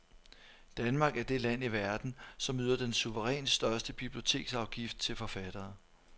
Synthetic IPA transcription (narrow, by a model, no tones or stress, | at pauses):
d̥ænmɑ̈ːɡ̥æɐd̥e̝læn̰iʋæɐd̥n̩sɒ̽myːð̰ˠɐd̥ensuʋəʁɛ̰ːnsd̥ɶɐsd̥əb̥ib̥lio̝t͡sʰe̝̰ːɡ̥sɑ̈ʊɡ̥ifd̥̚t͡sʰe̝lfɒ̽fæd̥ɐː